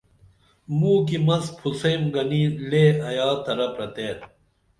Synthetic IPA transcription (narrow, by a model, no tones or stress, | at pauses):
muːk̬imɐspʰusɐjmɡɐnileːɐjaːt̪ʰɐɾɐpɾɐt̪eːɾ